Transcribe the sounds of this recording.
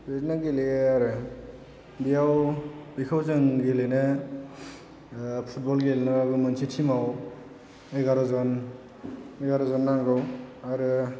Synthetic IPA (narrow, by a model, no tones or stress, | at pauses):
beznaɡeleaɾɯ | bijawbikʰawzɯŋɡelenɯ | pʰut̚bɔlɡelenɯabɯmansʰitʰimaw | ejɡaɾɔzɔn | eɡaɾɔzɔnːaŋɡɯwaɾɯ